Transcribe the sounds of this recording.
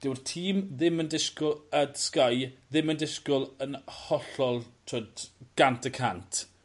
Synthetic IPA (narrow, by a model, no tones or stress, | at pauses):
d̥ɪwrtʰiːmðɪməndɪskʊlˠədskajðɪməndɪskʊlˠənhɔɬɔlˠtʰoːdɡ̥antʰəkʰantʰ